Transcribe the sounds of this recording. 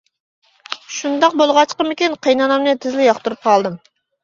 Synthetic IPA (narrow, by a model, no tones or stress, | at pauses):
ʃund̪ɑq̚bolˠʁɑt͡ʃqəmɪkʲinqʰəjnɑnɑmnɨt̪ʰɪzlɪjɑχt̪uɾup̚qʰɑlˠd̪ɨm